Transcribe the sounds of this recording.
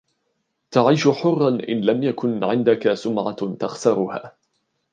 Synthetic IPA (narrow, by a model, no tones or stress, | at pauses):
t̪aʕiːʃʊħʊrˤːɑnʔɪ̰nlamjakʊnʕɪnd̪akasʊmʕa̰t̪axsɑɾˤʊha̰ː